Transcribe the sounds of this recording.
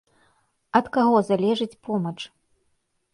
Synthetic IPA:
ɐt̪kaɣɔzalʲɛʐɨt͡sʲpɔmɐt͡ʂ

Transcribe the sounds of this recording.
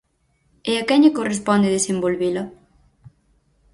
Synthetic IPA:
eakɛɲekorespɔnd̪eðesembolβilɐ

